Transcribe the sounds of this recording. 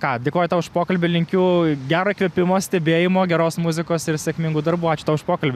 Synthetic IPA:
kɑːd̪ʲeːkoːjɛt̪ɐʋɪʃpoːkɐlʲbʲɪlʲɪŋʲkʲuːɡʲæːɾokʲʋʲepʲɪmoːsʲt̪ʲɛbʲeːjɪmoːɡʲɛɾoːsmʊzʲɪkoːsɪɾsʲɛkmʲɪŋɡuːd̪ɐrbuːɑːt͡ʃʲʊ̥t̪ɐʋʊʃpoːkɐlʲbʲɪ

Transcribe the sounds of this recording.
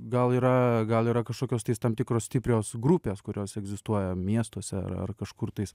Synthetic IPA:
ɡɐlˠiːɾɐɡɐlˠiːɾɐkɐʃkoːkʲoːst̪ɐɪst̪ɐmt̪ʲɪkɾoːsʲt̪ʲɪpʲɾʲoːsɡɾupʲeːskʊɾʲoːsɛɡzʲɪst̪uɔjɛmʲiɛst̪uɔsʲɛɐ̰ɾɐ̰rkɐʃkʊrt̪ɐɪs

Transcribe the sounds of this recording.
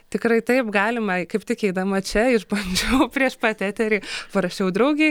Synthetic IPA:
t̪ʲɪkrɐɪt̪ɐɪpɡɑːlʲɪmɐkɐɪpt̪ʲɪkɛɪd̪ɐmɐt͡ʃʲɛɪʃbɐnʲd͡ʒʲuːpʲrʲiɛʃpɐt̪ʲæːt̪ʲɛɾʲiːpɐɾɐʃʲt͡ʃʲɛʊd̪ɾɐʊɡʲɛɪ

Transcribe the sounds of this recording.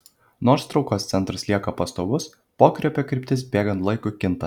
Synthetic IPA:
noːɾst̪ɾɐʊkoːst̪sʲɛnt̪ɾɐslʲiɛkɐpɐst̪oːʋʊs | poːkɾʲɛpʲɛkʲɾʲɪˑpʲt̪ʲɪsbʲeːɡɐnt̪lˠɐɪkʊkʲɪnt̪ɐ

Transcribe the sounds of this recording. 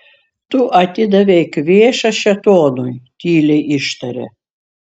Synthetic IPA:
t̪ʊʔɐt̪ʲɪd̪ɐʋʲɛkʋʲeːʃɐʃʲɛt̪oːnunʲt̪ʲiːlʲɛɪʔɪʃt̪ɐɾʲɛ̰

